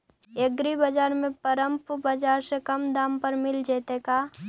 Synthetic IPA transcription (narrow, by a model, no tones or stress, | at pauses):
ɐɡɾibɐd͡ʒaːɾmẽpɐɾə̃mpbɐd͡ʒaːɾsekɐmd̪ãːmpəɾmɪld͡ʒeːt̪ekaː